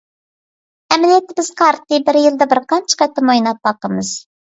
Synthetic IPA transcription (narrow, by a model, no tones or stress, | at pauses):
ɛmɪlijɛt̪ːɪbɪz̥qʰɑɾt̪ɨbɪɾjɨlˠd̪ɑbɪɾqʰɑnt͡ʃʰə̥qɛt̪ʰːɑmojnɑt̪̚bɑqəmɨz̥